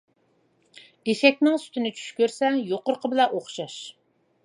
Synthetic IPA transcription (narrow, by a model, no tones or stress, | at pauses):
eʃɛk̚ʲnɪŋsy̥t̪ʰɪnɪt͡ʃʰy̥ʃkʲøɾsɛjoqʊɾqʰəbɪlɛʔoχʃɑʃ